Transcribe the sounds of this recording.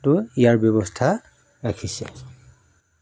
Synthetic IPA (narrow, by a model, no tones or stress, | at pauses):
tʊijaɹbjɔbɔstʰa | ɹakʰisɛ̰